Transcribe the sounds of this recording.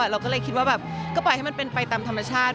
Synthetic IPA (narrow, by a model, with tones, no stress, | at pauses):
a˨˩ɾa˧wkɔː˥˩ɤː˧jkʰi˦t̪̚waː˥bɛː˨˩p̚kːpɔ˨˩jha˥˩jma˧npe˧npa˧jt̪aː˧mt̪ʰa˧mːa˧t͡ɕʰaː˥˩t̪̚